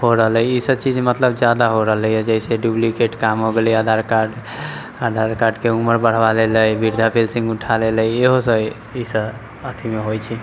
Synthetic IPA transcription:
hoɾəɦələjisəbt͡ʃid͡ʒmət̪ləbd͡ʒad̪aɦoɾəɦələjɛd͡ʒəiseɖjublikeʈkamɦoɡeliad̪ʱaɾkaɖ | ad̪ʱaɾkaɖkeuməɾbəɽ̤baleləjbiɾd̪ʱapelsĩŋɡuʈʰaleləjeɦosə | isə | ət̪ʰimeɦojt͡ʃʰi

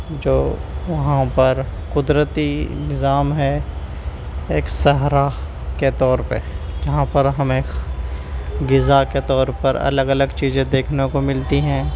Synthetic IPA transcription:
d͡ʒoːʋɐɦãpɐɾkʊd̪ɾət̪iɪ̰nnɪzaːmɦɛ | eːksɐɦɾa | ket̪ɔːɾpə̰ɾd͡ʒɐɦãpɐɾɦɐmẽk | ɡɪzaket̪ɔːɾpɐɾɐ̰ləɡɐləɡt͡ʃiːzẽd̪eːkʰnekomɪlt̪iɦɛ̃ː

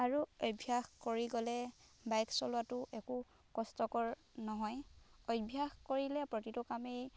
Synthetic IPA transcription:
aɹuojbʱjaxkoɹiɡɔlɛ | bajksɔlʊwatʊʔɛku | kɔstɔkɔɹ | nɔɦɔjɔjbʱjaxkoɹilɛpɹotitʊkamej

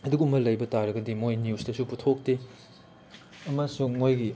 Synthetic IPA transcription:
ɐduɡumɐlɐjbɐtaɾɐɡɐdimojniustɐsuputʰok̚te | ɐmɐsuŋːojɡi

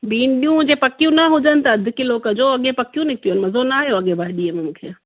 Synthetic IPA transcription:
biːnɗijũd͡ʑeːpɐkijũnɐɦʊd͡ʑənɪ̆t̪ɐɐd̪ʱɪkiloːkəd͡ʑoːɐɠẽpɐkijũnɪk̚ʰt̪iuənɪmɐzonaaːɦijoɐɠẽbʱaːɪɗiːəmẽmũːkʰeː

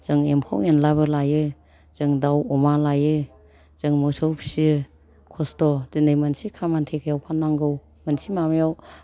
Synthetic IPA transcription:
z̥ɯŋemkʰɔ̰ŋenlabɯlajɯ | zɯŋdawɔmalajɯ | z̥ɯŋmɔsɔwpsi | kʰɔstɔzɯndɯjmansikʰamantʰekʰjawkʰanːaŋɡɯw | mansimamjaw

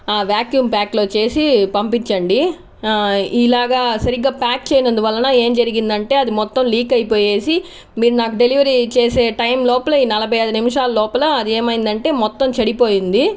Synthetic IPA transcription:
aːʋjaːkjuːmpaːklo̞ːt͡ʃe̞ːsipɐmpit͡ʃːɐɳɖi | ilaːɡaːsɐɾiɡːaːpaːk̚t͡ʃeːjinɐnd̪uʋɐlːɐnaːe̞ːmd͡ʒɐɾiɡind̪ɐɳʈe̞ːɐd̪imɔt̪ːɐmliːkɐjpo̞ːje̞ːsi | miːɾunaːkuɖe̞liʋɐɾit͡ʃe̞ːse̞ːʈɐjmlɔːpɐlɐiːnɐlɐbʱɐjɐd̪unimiʂaːlɐlɔːpɐlɐɐd̪ie̞ːmɐjind̪ɐɳʈe̞ːmɔt̪ːɐmt͡ʃɐɽipoːjind̪i

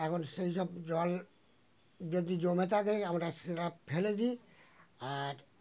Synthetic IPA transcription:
ɛkʰɔnsejʃɔbd͡ʑɔl | d͡ʒod̪id͡ʑomɛt̪ad̪ekamaɾaseɾapʰeled͡ʒi | aɾ

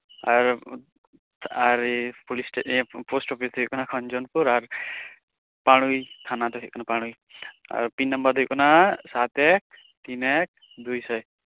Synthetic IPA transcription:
aɾ | aɾpulisʈeposʈɔpid̪ɔɦɔjʔkɔnakʰɔnd͡ʒɔnpuɾaɾ | paɽ̃ujt̪ʰanad̪ɔɦʰɔʔ̚kɔnapaɽ̃uj | a̰ɾpinːɔmbaɾd̪ujkɔnasat̪ɛk̚ | t̪inɛk̚ | d̪ujsaj

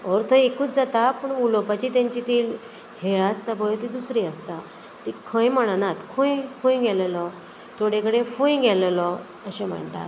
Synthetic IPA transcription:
ɔɾt̪ʰəekuːt͡sd͡zat̪apəɳulɔpat͡ɕiːt̪jãɲt͡ɕit̪iːl | heɭast̪abʱɔjt̪id̪usɾiːəst̪a | t̪ikʰə̃jm̤əɽ̃anat̪kʰũjfʰũjɡʱɛlelɔ | t̪ʰoɽekəɽefũjɡʱɛləlɔ | əɕẽm̤ə̰ɳt̪a̰t̪

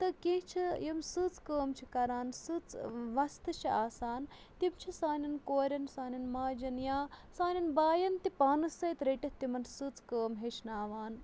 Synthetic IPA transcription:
t̪ɨkẽɦt͡ʃʰijɐmsɨt͡skəːmt͡ʃʰikɐɾaːnsɨt͡sʋɐst̪ɨt͡ʃʰiaːsaːn | t̪imt͡ʃʰisaːnɐnkoːɾʲɐnsaːnʲɐnmaːd͡ʒɐnjaːsaːnʲɐnbaːjɐnt̪ipaːnɨsɐjt̪ɾeʈiht̪imɐnsɨt͡skəːmɦet͡ʃʰnaːʋaːn

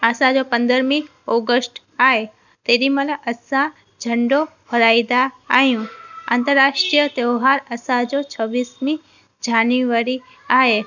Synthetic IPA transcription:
asãd͡ʑopə̃nd̪əɾmĩ | ɔːɡəsʈ | aːɦe | t̪eːɾiməlʔəsã | d͡ʒʱəɳɖoɦəɾaːid̪aːɦijũã̰ːnt̪əɾːaːʃʈɾijət̪eoɦaɾɐsãd͡ʑot͡ɕʰəʋiːsmĩ | d͡ʑaːnuʋaɾi | aːɦe

